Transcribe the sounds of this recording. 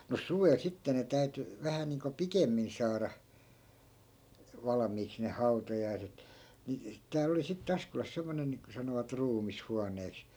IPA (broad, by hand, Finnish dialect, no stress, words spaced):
mus suʋel sitːe ne tæy̞ty ʋæhæ niːŋko pikemːin sɑːrɑ ʋɑlɑ̆miːks ne hɑu̞tɑjɑiset ni tæːl oli sitːe ɑskolɑs semːonen niːŋko sɑnoʋɑt ruːmishuɑnˑeːks